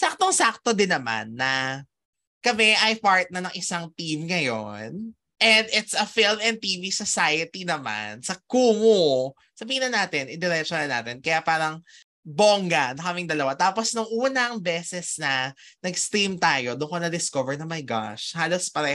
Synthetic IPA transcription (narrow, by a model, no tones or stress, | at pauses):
sak̚t̪oŋsak̚t̪od̪ɪnːɐma̰nːɐ | kɐmɛʔɐjpaɹt̪̚nɐnɐŋʔɪsaŋt̪imŋɐjo̰n | ʔɛnd̪ɪt̪sɐfilmɛn̚t̪iːvisosajɐt̪inɐma̰nsɐkuːŋo | sɐbiːhɪnɐnaːt̪ɪnʔɪd̪ɪɾɛt͡ʃonɐlna̰ːt̪ɪnkɐjapaːɾɐŋ | boŋɡanɐkɐmɪŋd̪ɐlɐwat̪aːposnʊŋʔuːnɐŋbɛːsɛsnɐnɐɡst̪ɾimt̪aːjo̞d̪ʊŋkonɐd̪ɪskovɛɹnɐmɐjɡa̰ʃhaːlospɐɾɛ